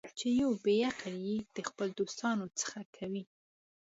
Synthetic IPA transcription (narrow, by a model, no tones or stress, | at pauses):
t͡ʃejawbejaqanjed̪̥əxpəld̪ost̪ɑnot͡sə̥xakʰawi